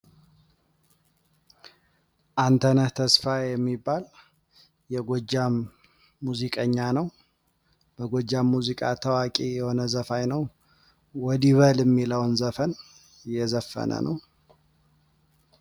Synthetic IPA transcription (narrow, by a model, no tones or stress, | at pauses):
ʔant̪ʰənəht̪ʰəsfajɛmːibːal | jɛɡod͡ʒːamː | uzikʼəɲːanəw | b̥əɡod͡ʒːamːuzikʼat̪ʰəwakʼijɛho̞nəzəfajnəw | wɔd̪iβəljɛmːiləwnzəfən | jɛzəfːə̰nə̰nəw